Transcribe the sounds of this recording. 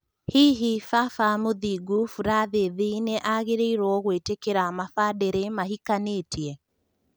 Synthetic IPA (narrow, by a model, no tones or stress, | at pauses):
hiɦifafamoðiɡufuɾaðeðineʔaɣeɾeiɾwɔɣwetekeɾamafaːdeɾemaɦikaneːtiɛ